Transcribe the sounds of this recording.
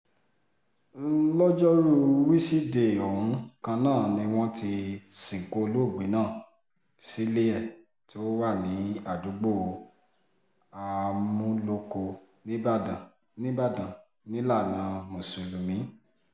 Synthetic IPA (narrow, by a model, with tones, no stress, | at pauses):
lɔ˦d͡ʒɔ˦ɾu˦wi˦si˦de˨o˨ɾũ˨˦kã˧nãː˦˨nĩ˧w̃ɔ̃˦ti˧sĩ˨ŋ̩˨ko˧o˧lo˦˨ɡ͡bi˨˦nã˦˨ | si˨˦le˦ɛ˦˨ | ti˦o˦wa˦˨nĩ˨˦a˦˨du˨˦ɡ͡bo˦˨˧ | a˧mũ˦lo˦ko˧ | nĩ˦ba˦˨dã˨ | nĩ˦ba˦˨dã˨ | nĩ˦la˦˨nã˨˦mõ˨sũ˨lu˨mĩ˨˦